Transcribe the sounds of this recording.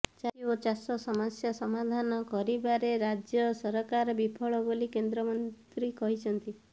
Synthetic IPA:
t͡ʃaiot͡ʃasɔsɔmasjasɔmad̪ʱanɔkɔɾibaɾeɾad͡ʒjɔsɔɾɔkaɾɔbipʰɔɭɔbolikend̪ɾɔmɔnt̪ɾikɔɦit͡ʃʰɔnt̪i

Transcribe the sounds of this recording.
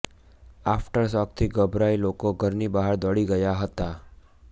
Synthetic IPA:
afʈəɾsɔk̚t̪ʰiɡəbɾailokoɡʱəɾnibaɦəɾd̪əɭiɡəjaɦət̪a

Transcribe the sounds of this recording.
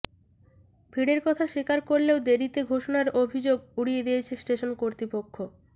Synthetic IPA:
bʱiɽeɾkɔt̪ʰaʃikaɾkoɾleod̪eɾit̪eɡʱoʃonaɾobʱid͡ʑoɡuɽijed̪ijet͡ɕʰesʈeʃonkoɾt̪ɾipokʰːo

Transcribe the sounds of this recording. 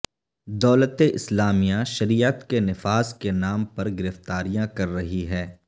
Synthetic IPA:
d̪ɔːlət̪eʔɪslaːmijãʃɐɾijət̪kenɪfaːzkenaːmpɐɾɡɪɾɪft̪aːɾijãkɐɾːɐɦiɦɛː

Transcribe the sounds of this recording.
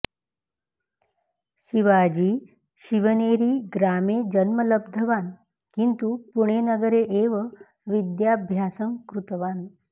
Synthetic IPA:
ɕiʋad͡ʑiː | ɕiʋəneɾiːɡɾamed͡ʑənmələb̚d̪ʱəʋan | kint̪upuɳ̃enəɡəɾeʔeʋə | ʋid̪jabʱjasəŋkɾut̪ʋan

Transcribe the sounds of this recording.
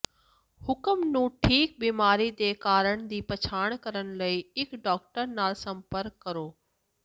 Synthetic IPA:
hʊkəmnũːʈʰiːk̚biːmaːɾid̪eːkaːɾəɽ̃d̪iːpɐt͡ɕʰaːɽ̃kɐɾəɽ̃lɐiɪkɖɔːkʈəɾnaːlsɐ̃mpəɾkːɐɾoː

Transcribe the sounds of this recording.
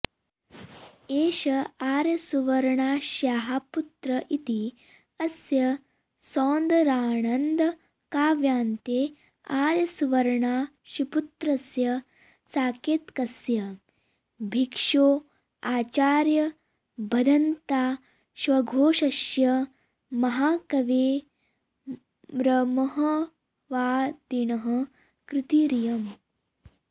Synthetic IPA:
eːʃɐaːɾjɐsuʋɐɾɐɳaːʃjaːɦaput̪ɾɐʔit̪i | ɐsjɐ | sɔːnd̪ɐɾaːɳɐnd̪ɐ | kaːʋjaːnt̪eː | aːɾjɐsuʋɐɾɳaː | ʃiput̪ɾɐsjɐ | saːkeːt̪kɐsjɐ | bʱikʂoː | aːt͡ʃaːɾjɐ | bʱɐd̪ʱɐnt̪aː | ʃʋɐɡʱoːʃɐʃjɐ | mɐɦaːkɐʋeː | ɾɐmɐɦɐ | ʋaːd̪inɐɦɐ | kɾɪt̪iːɾijɐm

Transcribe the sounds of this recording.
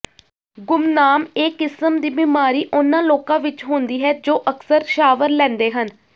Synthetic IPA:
ɡʊmnaːmeːkɪsəmd̪iːbiːmaːɾiːʔʊnːãːloːkãːʋɪt͡ʃɦõːnd̪iːɦɛːd͡ʒoːʔəksəɾʃaːʋəɾlɛ̃ːnd̪eːɦən

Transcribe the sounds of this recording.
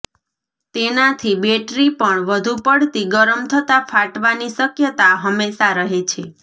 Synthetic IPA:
t̪enat̪ʰibeʈɾipəɳʋəd̪ʱupəɽt̪iɡəɾəmt̪ʰət̪afʰaʈʋanisəkjət̪aɦəmːesaɾəɦet͡ʃʰe

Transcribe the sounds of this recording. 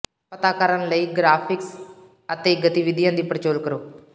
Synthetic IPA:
pət̪aːkəɾənləiːɡɾaːpʰɪks | ət̪eːɡət̪iʋɪd̪ijãːd̪iːpəɾət͡ʃoːlkəɾoː

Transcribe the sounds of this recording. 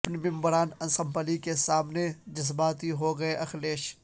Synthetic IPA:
pnimɪ̃mbəɾaːnɐ̃nsɐ̃mpəlikesaːmned͡ʒɐs̬baːt̪iɦoɡɐeʔɐxleːʃ

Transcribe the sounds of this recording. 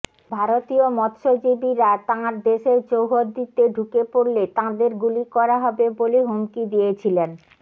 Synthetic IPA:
bʱaɾot̪iomɔt̪ʃod͡ʑibiɾat̪ãɾd̪eʃed͡ʑowɦoɾd̪it̪eɖʱukepoɾlet̪ãd̪eɾɡulikɔɾaɦɔbeboleɦumkid̪ijet͡ɕʰilen

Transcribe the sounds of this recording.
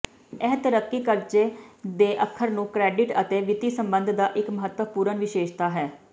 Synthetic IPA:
ɛɦt̪əɾəkːiːkəɾd͡ʒeːd̪eːʔəkʰːəɾnũːkɾɛːɖɪʈət̪eːʋɪt̪iːsəmbənd̪ʱd̪aːʔɪkməɦət̪ːəpuːɾənʋɪʃeːʃt̪aːɦɛː

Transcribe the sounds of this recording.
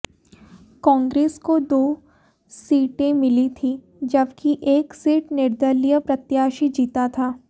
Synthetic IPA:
kɔ̃ːŋɡɾeːskod̪oː | siːʈẽmɪlit̪ʰi | d͡ʒɐbkiʔeːksiːʈnɪɾd̪əlijəpɾɐt̪jaːʃid͡ʒiːt̪at̪ʰaː

